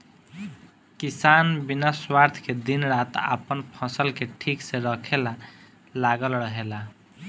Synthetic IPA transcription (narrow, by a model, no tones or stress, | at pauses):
kisanbinaswaɾt̪ʰked̪inɾat̪a̰pənpʰʌsəlkeʈʰikseɾəkʰela | laɡəlɾəɦela